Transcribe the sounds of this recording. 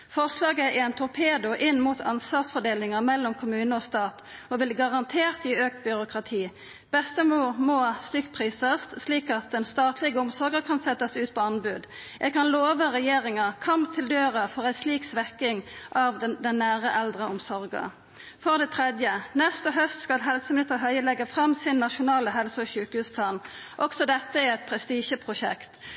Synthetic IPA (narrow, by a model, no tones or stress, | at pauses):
fɔʁslɑːɡəɛɛnt̪ʰʊʁpʰeːd̪ʊʔɪnmuːt̪ʰɑnsʋɑːʁsfɔd̪eːlɪŋəʁmɛlːɔmkʰʊmʉːnəɔːst̪ɑːt̪ɔʋɪlɡɑʁɑnt̪ʰeːʁt̪ɪøːk̚t̪̚bʏʁʊkʁɑt̪ʰiː | b̥ɛst̪əmuːʁmoːst̪ʏkːpʰʁiːsəst̪sliːkɑt̪̚d̪ɛnst̪ɑːt̪ʰlɪɡəʊmsɔʁɡəkʰɑnsɛt̪ːɑsʉːt̪pʰɔɑnbʉːd̪ | jɛɡkɑnloːʋəʁɛjeːʁɪŋəkʰɑmpt̪ʰɪld̪øːʁɑfɔʁæɪsliːksʋɛkɪŋʔɑʋd̪ɛnːæːʁəʔɛld̪ʁəʊmsɔʁɡə̰ | fɔʁd̪ɛt̪ʰʁɛd̪jənɛst̪əɦœst̪skɑlɦɛlsəmɪnɪst̪əɦœʏəlɛɡːəfʁɑmsɪnːɑʃʊnɑːləɦɛlsəɔçʉːkhʉːspʰlɑːnʔɔksɔd̪ɛt̪ːəæʁɛt̪̚pʰʁɛst̪iːʃəpʰʁʊʃɛ̰kt̪